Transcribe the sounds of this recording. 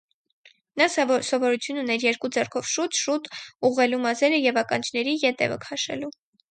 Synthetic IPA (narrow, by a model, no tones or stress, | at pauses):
nɑssɔvɔɾut͡sʰjununɛɾjɛɾkud͡zɛrkʰɔvʃut̪ʃut̪uʁɛlumɑzɛɾəjɛvɑkɑnt͡ʃʰnɛɾijɛt̪ɛ̰və̰kʰɑʃɛ̰lu